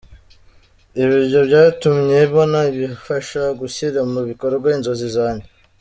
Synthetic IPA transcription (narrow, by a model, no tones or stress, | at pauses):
iβiɾjo̞bɟaːitumɲe̞βo̞naiβifaʃaɡusiɾamuβiko̞ɾeɡwainzo̞zizaːɲe